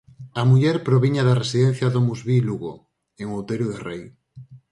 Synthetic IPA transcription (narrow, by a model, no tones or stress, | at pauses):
ɐmuʎɛɾpɾoβiɲɐðɐresiðɛn̟θjɐðomuzβiluɣo̰ | eŋowt̪eɾjoðerej